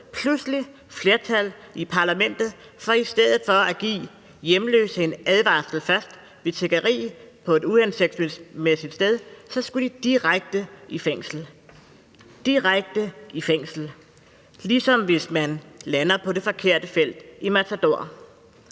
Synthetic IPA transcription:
pʰlusli | fle̝ɐt͡sʰæl̰ | ipʰɑ̈læmen̰d̥ð̞̩ˠ | fɒ̽isd̥eð̞̰ˠð̩ˠfɒ̽æɡ̥ḭː | jemlø̰ːsəe̝næð̞ˠʋɑ̰̈sl̩fɶɐsd̥ | ʋe̝t͡sʰe̝ɡ̥ɐʁḭːpʰɒ̽e̝duenseɡ̥̚smemesid̥sd̥eð̞ˠsɒ̽sɡ̥ud̥id̥iʁaɡ̥̚d̥əifeŋ̰sl̩ | d̥iʁaɡ̥̚d̥əifeŋ̰sl̩ | lisɒ̽mʋe̝smænlænɐpʰɒ̽ɾe̝fɒ̽kʰe̝ɐ̰d̥əfel̰d̥imæt͡sʰæd̥o̝ɐ̰

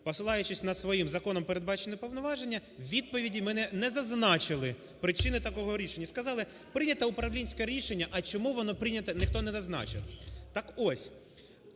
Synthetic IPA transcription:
pɔsɪlˠɑjʊt͡ʃɪsʲnɐd̪sʋɔjimzɐkɔnɔmpeɾed̪̚bɑt͡ʃenɛpɔʋwnɔʋɑʒenʲːɐwʋʲid̪̚pɔʋʲidʲimɛnɛnɛzɐznɑt͡ʃɪlˠɪ | pɾɪt͡ʃɪnɪt̪ɐkɔɦɔɾʲiʃenʲːɐskɐzɑlˠɪ | pɾɪnʲɐt̪ɐʊpɾɐʋlʲinʲsʲkɛɾʲiʃenʲːɐʔɐt͡ʃɔmuʋɔnɔpɾɪnʲɐt̪ɐnɪxt̪ɔnɛzɐznɑ̰t͡ʃɪlt̪ɑkɔsʲ

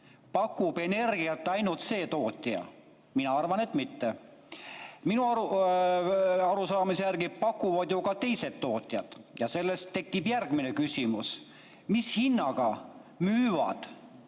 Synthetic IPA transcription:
pɑkːˑube̞ne̞rɡ̥iɑt̪ːɑjnult̪se̞ːt̪o̞ːt̪ʲːˑiɑ̰ | minɑɑrvɑne̞t̪ːˑmit̪ːe | minuɑu | ɑɾusɑːmisejæɾɡi̥pɑkːˑuvɑd̪̥jo̞ɡɑt̪e̞jse̞t̪ːo̞ːt̪ʲːˑiɑd̪̥jɑse̞lːe̞st̪ːe̞kːibjærɡ̥mine̞kysʲimus | mishinːɑɡ̥ɑ | myːvɑ̰d̪̥

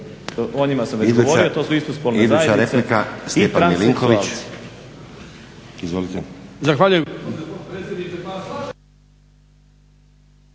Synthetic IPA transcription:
onimasamɾizuoɾiot̪osuist̪ospolneizd̪uajt͡ʃaɾɾep̪likast̪epaɾmeliŋkoʋit͡ʃ | izʋolit̪ezaxʋaːʎujeɾed̪ni

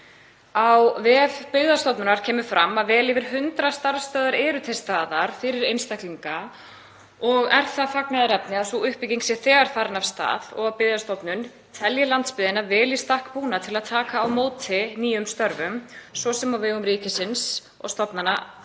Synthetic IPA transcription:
awvɛvpɪɣðast̪ɔwpnʏnaɾ̥cʰɛːmʏ̥fɾamːavɛːlɪvɪɾ̥ɦʏnt̪ɾast̪aɾst̪œːðaɾɛːɾʏt̪ʰɛst̪aːðaɾ̥fɪɾɪɾejnst̪ahk̪liŋka | ɔɣɛɾ̥θaðfaknaðɪɾɛpnɪasuʏhpɪciŋksjɛθɛːɣaɾ̥faːɾɪnavst̪a̰ːðɔ̰ɣapɪðast̪ɔpnʏn | t̪ʰɛljɪlant̪spɪːðɪnavɛːlist̪ahkpuːnat̪ʰɪlaðt̪ʰaːkaːwmoːwt̪ʰɪniːjʏmst̪œɾvʏmsɔsɛmawvɪɣʏmɾiːcɪsɪns | ɔ̰ɣst̪ɔpnana

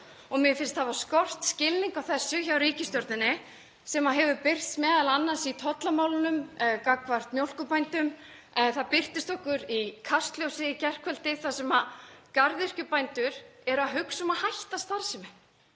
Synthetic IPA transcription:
ɔɣmjɛfɪnst̪havaskɔr̥t̪scɪlniŋkawθɛsːʏçawɾiːcɪst̪jɔɾt̪nɪnːɪ | sɛmaɦɛvʏpɪr̥t̪smɛːðalanːḁsit̪ʰɔt̪lamawlɪnʏmkakvar̥t̪mjowlkʏpajnt̪ʏm | ɛθaðpɪr̥t̪ɪst̪ɔhkʏɾikʰast̪ljowsɪicɛr̥kʰvœlt̪ɪθasɛmakaɾðɪr̥cʏpajnt̪ʏɾ̥ɛɾʏaðɦʏksɔmahajht̪ast̪aɾ̥sɪmɪ

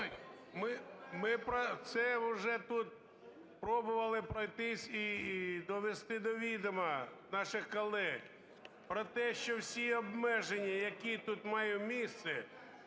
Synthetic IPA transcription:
mɪmɪpɾɔt̪sɛwʒɛt̪ut̪ | pɾɔbʊʋɐlˠɪpɾɔjt̪ɪsʲid̪ɔʋest̪ɪd̪ɔʋʲid̪ɔmɐnɑʃɪxkɔlˠɛɣ | pɾɔt̪ɛʃt͡ʃɔwsʲiɔbmɛʒenʲːijɐkʲit̪ut̪mɑjʊmʲist̪sɛ

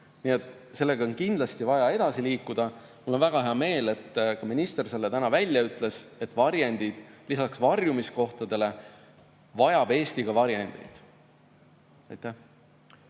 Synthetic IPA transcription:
nie̞t̪ːˑ | se̞lːe̞ɡ̥ɑonkind̪̥lɑst̪ivɑjɑe̞d̪̥ɑsiliːkːˑud̪̥ɑ | mulːo̞nvæɡ̥ɑɦeɑme̞ːle̞t̪ːkɑminist̪e̞rse̞lːet̪ænɑvælʲːjɑyt̪ˑle̞se̞t̪ːˑvɑɾjenʲd̪̥id̪̥lisɑksvɑrjumisko̞ht̪ɑd̪e̞le̞ | vɑjɑb̥e̞ːst̪iɡ̥ɑvɑɾjenʲd̪̥ḛjd̪̥ | ɑjt̪ˑːæh

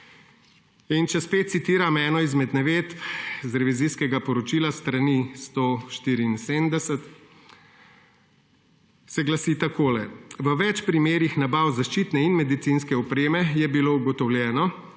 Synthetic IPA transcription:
int͡ʃɛspeːt̪̚sit̪iːɾamɛːnɔizmɛd̪nɛʋeːt̪zɾɛʋiziskɛɡapɔɾɔt͡ʃiːlast̪ɾanist̪oʃt̪iːɾiːnseːmd̪ɛsɛt̪ | sɛɡlasiːt̪akoːlɛʋəʋɛt͡ʃpɾimeːɾixnabawzaʃt͡ʃiːt̪nɛinmɛd̪it̪sinskɛɔpɾeːmɛjɛbilouɡɔt̪ɔwljɛːnɔ

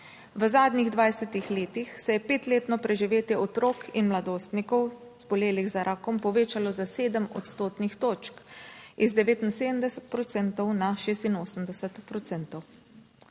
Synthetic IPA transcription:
ʋəzaːd̪niɣd̪ʋajsɛt̪ixleːt̪ixsɛjɛpeːt̪leːt̪nɔpɾɛʒiʋeːt̪jɛʔɔt̪ɾoːkʰinmlad̪oːst̪nikɔw | zbɔleːliɣzaɾʔaːkɔmpɔʋeːt͡ʃalɔzaseːd̪əmɔ̰t̪st̪oːt̪nixt̪oːt͡ʃkizd̪ɛʋeːt̪inseːd̪əmd̪ɛsɛ̥t̪pɾɔt̪sɛnt̪ɔwnaʃeːst̪inoːsəmd̪ɛsət̪pɾɔt̪sɛnt̪ɔw

